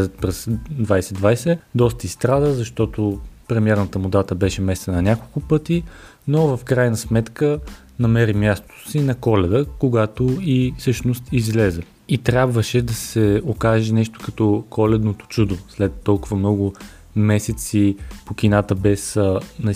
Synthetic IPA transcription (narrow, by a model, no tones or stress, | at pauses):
zət̪̚pɾɛsd̪vajsɛd̪vajsɛd̪ɔst̪əist̪ɾad̪əzɐʃt̪ɔt̪opɾɛmiɛɾnət̪əmʊd̪at̪əbɛʃɛmɛst̪ənɐnʲakolˠkʊpɤt̪i | novɐfkɾajnəsmɛt̪kə | nɐmɛɾimʲjast̪o̥sinɐkɔlɛd̪əkoɡat̪oifsɤʃnost̪izlɛzɛ | it̪ɾʲjabvəʃɛd̪ɐsɛokaʒɛnɛʃt̪o̥kɐt̪ɔkʰɔlɛd̪not̪o̥t͡ʃud̪oslɛt̪ːɔlˠkʊvəmnɔɡʊ | mɛsɛt̪sipokinat̪əbɛsnɛ